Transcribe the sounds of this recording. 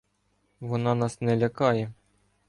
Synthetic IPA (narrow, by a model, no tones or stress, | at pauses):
ʋɔnɑnɑsnɛlʲɐkɑjɛ